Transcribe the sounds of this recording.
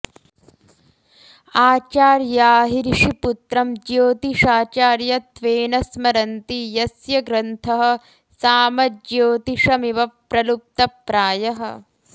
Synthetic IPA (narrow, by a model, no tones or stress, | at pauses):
aːt͡ʃaːɾjaːɦiɾʂiput̪ɾɐmd͡ʒjoːt̪iʂaːt͡ʃaːɾjɐt̪ʋeːnɐsmɐɾɐnt̪ijɐsjɐɡɾɐnt̪ʰɐɦɐ̆ | saːmɐd͡ʒjoːt̪iʂɐmiʋɐpɾɐlup̚t̪ɐpɾaːjɐɦɐ̰̆